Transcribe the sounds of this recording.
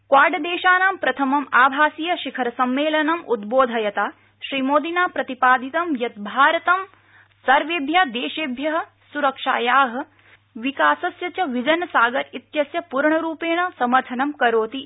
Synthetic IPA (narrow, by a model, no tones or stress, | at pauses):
kwaːɾɖɐd̪eːʃaːnaːmpɾɐt̪ʰɐmɐmaːbʱaːsijɐʃikʰɐɾɐsɐmːeːlɐnɐmʔud̪̚boːd̪ʱɐjɐt̪aː | ʃɾiːmoːd̪inaːpɾɐt̪ipaːd̪ʱit̪ɐmjɐt̪̚bʱaːɾɐt̪ɐm | sɐɾʋebʱjɐd̪eːʃeːbʱjɐɦɐ̆ | suɾɐkʂa̰ːjaːɦɐ̆ | ʋikaːsɐsjɐt͡ʃɐʋid͡ʒɐnɐsaːɡɐɾit̪jɐsjɐpuɾɳɐɾuːpeːɳɐsɐmɐɾt̪ʰɐnɐmkɐɾoːt̪i